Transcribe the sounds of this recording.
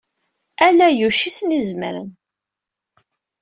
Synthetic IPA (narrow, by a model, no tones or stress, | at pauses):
ælæjuʃisnizməɾə̰n